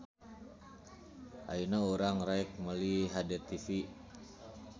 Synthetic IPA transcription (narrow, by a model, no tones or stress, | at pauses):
ʔa̰inauɾaŋɾaik̚məliɦadɛt̪ifi